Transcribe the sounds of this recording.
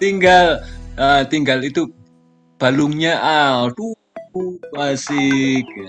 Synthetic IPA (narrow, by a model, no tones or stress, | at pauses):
t̪iŋɡalət̪iŋɡalit̪u | b̥alʊŋɲaʔat̪u | masɪk